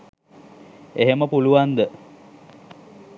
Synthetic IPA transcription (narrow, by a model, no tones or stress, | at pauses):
eɦeməpuluʋand̪ə